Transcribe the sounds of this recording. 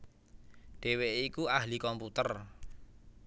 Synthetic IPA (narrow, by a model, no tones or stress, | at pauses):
ɖ̥e̤weʔikuaɦlikɔmput̪ər